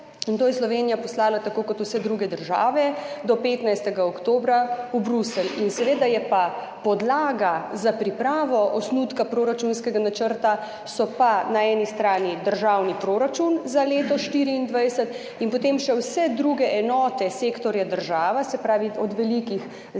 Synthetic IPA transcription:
int̪oːjɛslɔʋeːnijapɔslaːlat̪akoːkɔt̪wsɛd̪ɾuɡɛd̪əɾʒa̰ːʋɛd̪ɔpeːt̪najst̪ɛɡaɔkt̪oːbɾaubɾusəlinsɛʋeːd̪ajɛpa | pɔd̪laːɡazapɾipɾaːʋɔʔɔsnut̪kapɾoːɾat͡ʃunskɛɡanat͡ʃəɾt̪a | sɔpanaɛːnist̪ɾaːnid̪əɾʒaːwnipɾoɾat͡ʃunzaleːt̪ɔʃt̪iːɾiːnd̪ʋajsət̪ | inpɔt̪emʃɛwsɛd̪ɾuːɡɛʔɛnɔːt̪ɛseːkt̪ɔɾjad̪əɾʒaːʋasɛpɾaːʋiɔd̪ʋɛlikix

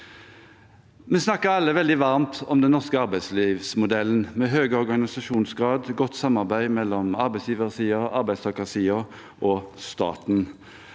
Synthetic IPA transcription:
mɛsnɑkːəɾɑlːəʋɛld̪ɪʋɑʁmt̪ʰɔmd̪ɛnːɔʁskəɑɾbæɪd̪sliːʋsmʊd̪ɛlːənmɛɦøːɡəɔʁɡɑnɪsɑʃuːnsɡʁɑːd̪ɡɔt̪ːsɑmːɑʁbæɪmɛlːɔmɑɾbæɪsjiːʋəʁsiːɔʔɑɾbæɪst̪ʰɑkəʁsiːɔ | ʔɔst̪ɑ̰ːt̪n

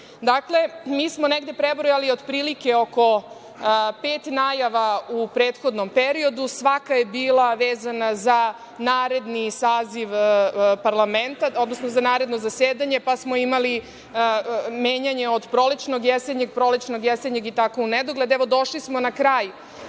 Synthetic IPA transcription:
d̪akle̞miːsmoneɡd̪e̞pɾebɾojalio̞d̪pɾiːlike̞o̞ko̞ | peːt̪naːjaʋaupɾeːt̪xo̞d̪no̞mpeɾio̞d̪usʋakaje̞biːlˠaʋeːzanaza | naːɾe̞d̪nisaːziʋpaɾlˠame̞nt̪ao̞d̪no̞snozanaːɾe̞d̪no̞zaseːd̪aɲe̞pasmo̞imali | meːɲaɲe̞o̞d̪pɾo̞lit͡ʃno̞ɡjeseɲeɡ̚pɾo̞lit͡ʃno̞ɡjeseɲeɡit̪akouned̪oɡle̞d̪eʋo̞d̪o̞ʃlismonakɾaːju

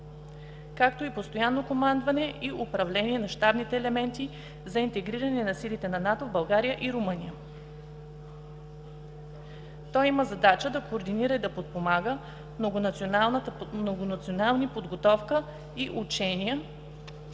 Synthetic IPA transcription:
kak̚t̪oipost̪ojanːokomand̪vɐnɛʔiʔʊpɾɐvlɛniɛnɐʃt̪abnit̪ɛːlɛmɛnt̪i | zɐint̪ɛɡɾiɾɐnɛnɐsilit̪ɛnɐnat̪ovbɐlˠɡaɾijəʔiɾʊmɤnʲijə | t̪ɔjiməzɐd̪at͡ʃəd̪ɐkoːɾd̪iniɾəid̪ɐpot̪̚pomaɡə | mnoɡonɐt̪sionalˠnt̪noɡonɐt̪sionalˠnipod̪ɡot̪ɔfkə | iʔut͡ʃɛnijə

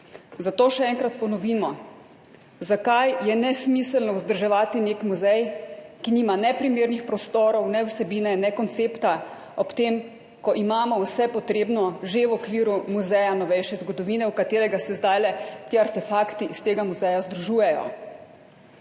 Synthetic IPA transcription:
zat̪oːʃɛɛŋkɾat̪pɔnɔʋiːmɔ | zakajjɛnɛsmisəlnɔwzd̪əɾʒɛʋaːt̪ineːkmuzɛjkiniːmanɛpɾimeːɾnixpɾɔst̪oːɾɔwnɛwsɛbiːnɛnɛkɔnt̪seːpt̪a | ɔpt̪em | kɔʔimaːmɔwsɛpɔt̪ɾeːbnɔʒewɔkʋiːɾumuzɛjanɔʋɛjʃɛzɡɔd̪ɔʋiːnɛwkat̪eːɾɛɡasɛzd̪ajlɛt̪iːaɾt̪ɛfaːkt̪iʔist̪eːɡamuzɛjazd̪ɾuʒuːjɛjɔ̰

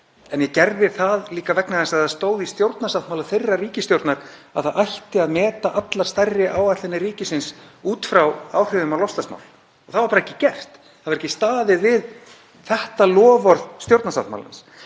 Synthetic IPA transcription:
ɛnjɛcɛɾðɪɾ̥θaðliːkavɛknaðɛnsaaðst̪oːwðist̪jowɾt̪nasat̪mawlaθejrːariːcɪst̪jowɾt̪naɾa̰ðθaðʔajht̪ɪaðmɛːt̪aʔat̪laɾ̥st̪ajrɪʔawat̪ɛnːɪriːcɪsɪnsuːt̪fɾawa̰wr̥ʏvʏmawlɔwfst̪asma̰wl | ɔθaðvaɾpaɾaɛcːɪ̥cɛr̥t̪ | θaðvaɾɛcːɪst̪aːðɪvɪð | θɛht̪alɔːvɔɾð̥st̪jowɾt̪nasat̪ma̰la̰ns

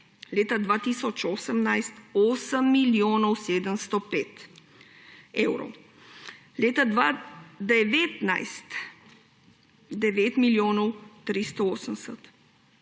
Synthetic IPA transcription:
leːt̪ad̪ʋat̪isɔt͡ʃoːsəmnajst̪oːsəmːiljoːnɔwseːd̪əmst̪ɔpeːt̪ | ɛwɾɔ̰w | leːt̪ad̪ʋad̪ɛʋet̪najst̪ | d̪ɛʋet̪miljoːnɔwt̪ɾist̪ɔoːsəmsət̪

